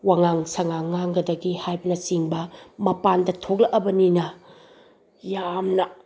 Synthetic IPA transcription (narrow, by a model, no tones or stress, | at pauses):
waŋaŋsɐŋaŋːaŋɡɐdɐɡihajbɐnɐsiŋbɐmɐpandɐtʰok̚lɐʔɐbɐninɐ | jamnɐ